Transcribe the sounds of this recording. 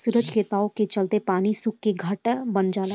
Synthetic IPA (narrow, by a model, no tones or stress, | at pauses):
sʊɾəd͡ʒkeːt̪aːõket͡ʃɐlt̪epaːnisʊkːeɡʱɐʈbɐnd͡ʒaːla